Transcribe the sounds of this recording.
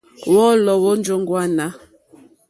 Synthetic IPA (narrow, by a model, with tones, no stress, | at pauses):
wɔ˦lɔ˨wo˦n˦d͡ʒo˦ŋɡwa˦na˦